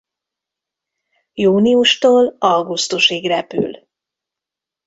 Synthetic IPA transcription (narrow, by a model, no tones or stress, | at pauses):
juːniuʃt̪oːlɒlɡust̪uʃiːɡrɛpy̰l